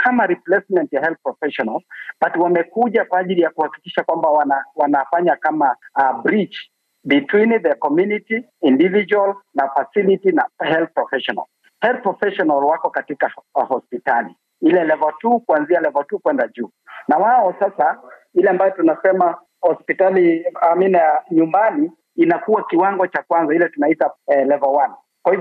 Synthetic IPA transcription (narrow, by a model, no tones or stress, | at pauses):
kʰamaɾiplɛsmɛntjahɛlθ̚pɹɔfɛʃɔnalbatwamɛkuʄakwaaʄilijakuhaki̥kiʃakwambawnawanafaɲakamabɾit͡ʃ | bitwiniðəkɔmjuniti | individ͡ʒualnafasilitinahɛlθ̚pɾɔfɛʃɔna̰l | hɛlθ̚pɹɔfɛʃɔnalwakɔkatikahɔspitalḭ | ilɛlɛvɔtukuanzialɛvɔtukwɛndad͡ʒuː | nawaɔsasailɛambajɔtunasɛma | hɔspitaliaminaɲumbani | inakuwakiwaŋɡɔt͡ʃakwanzailɛtunaitalɛvɔwan | kwahiv